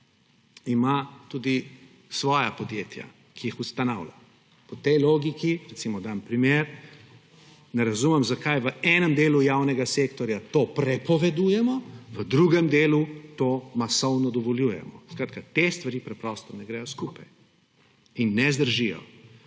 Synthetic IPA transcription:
imat̪uːd̪i | sʋɔːjapɔd̪jeːt̪ja̰ | kʰijixust̪anaːwlʲa̰ | pɔt̪ɛjloːɡikiɾɛt̪simɔd̪ampɾimeːɾ | nɛɾazumɛmzakajʋəɛːnɛmd̪eːlujaːwnɛɡasekt̪ɔɾjat̪oːpɾɛpɔʋɛd̪uːjɛmɔʋəd̪ɾuɡɛmd̪eːlut̪oːmasɔwnɔd̪ɔʋɔljuːjɛ̰mɔskɾaːt̪kat̪est̪ʋaɾiːpɾɛpɾɔst̪ɔnɛɡɾɛjɔskupaj | inːɛzd̪əɾʒijɔ̰

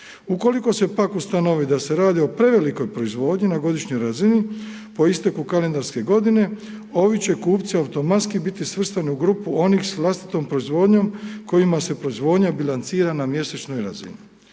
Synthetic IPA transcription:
uko̞liko̞se̞pakust̪ano̞ʋid̪ase̞ɾaːd̪io̞pɾe̞ʋe̞liko̞jpɾo̞izʋo̞ːd̪ɲinaɡo̞d̪iʃɲo̞jɾazini | po̞ist̪ekukale̞nd̪aɾske̞ɡo̞d̪ine̞ | o̞ʋit͡ɕe̞kuːpt̪siawt̪o̞mat̪skibit̪isʋr̩st̪aniuɡɾuːpuo̞nixsʋlˠast̪i̥t̪o̞mpɾo̞izʋo̞ːd̪ɲo̞mko̞jimase̞pɾo̞izʋo̞ːd̪ɲabilant̪siːɾanamje̞set͡ʃno̞jɾa̰zḭni

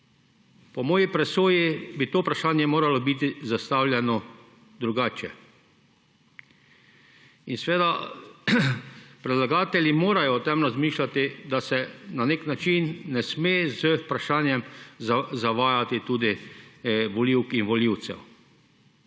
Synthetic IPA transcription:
pɔmɔːjipɾɛsoːjibit̪oːpɾaʃaːnjɛmoːɾalɔbit̪izast̪awlʲjɛnɔ | d̪ɾuɡaːt͡ʃɛ | insʋeːd̪a | pɾɛd̪laɡaːt̪ɛljimoːɾajɔt̪ɛmɾazmiːʃlat̪id̪asɛnaneknat͡ʃinːɛsmeːzəpɾaʃaːnjɛmzzaʋaːjat̪it̪uːd̪i | ʋɔliwkinʋɔliwt̪sɛ̰w

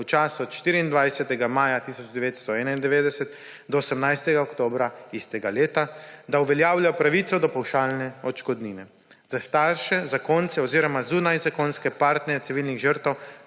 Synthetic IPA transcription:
ut͡ʃaːsuɔt̪ʃt̪iːɾiːnd̪ʋajsɛt̪ɛɡamaːjat̪isɔd͡ʒd̪ɛʋeːt̪st̪ɔɛːnaind̪ɛʋeːd̪ɛsɛt̪ | d̪ɔosɛmnajst̪ɛɡaɔkt̪oːbɾaist̪ɛɡaleːt̪ad̪auʋɛljaːwljajɔpɾaʋit̪sɔd̪ɔpawʃaːlnɛɔt͡ʃkɔd̪niːnɛ | z̥ast̪aɾʃɛzakont̪sɛɔziːɾɔmazunajzakonskɛpaɾt̪nɛɾjɛt̪iʋilniɣʒəɾt̪ɛw

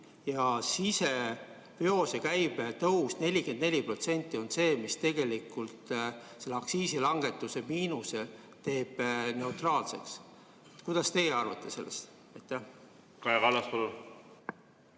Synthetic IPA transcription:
jɑsise̞ | peo̞sekæjb̥t̪ɤwusne̞lʲːike̞nd̪nelʲːipro̞t̪se̞nʲt̪ʲːˑio̞nse̞ːmist̪e̞ɡe̞likːult̪se̞lːeɑksiːsilɑŋɡ̥e̞t̪ːˑuse̞miːnuse̞ | t̪e̞ːb̥ne̞ut̪rɑːlse̞̰ks | et̪kujd̪̥ɑst̪e̞jeɑrvɑt̪ˑːe̞se̞lːḛst̪ | ɑjt̪ːˑæh | kɑekɑlːɑspolu

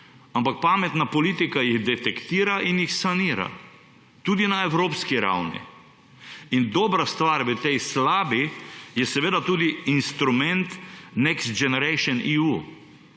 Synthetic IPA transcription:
ampak̚paːmɛt̪napɔliːt̪ikajiɣd̪ɛt̪ɛkt̪iːɾaʔinjixsaniːɾa̰ | t̪uːd̪inaɛwɾoːpskiɾa̰wnḭ | ind̪ɔːbɾast̪ʋaːɾʋət̪ɛjslaːbijɛsɛʋeːd̪at̪uːd̪iinst̪ɾumɛnt̪nɛkst̪̚d͡ʒɛnɛɾɛʃɔniu

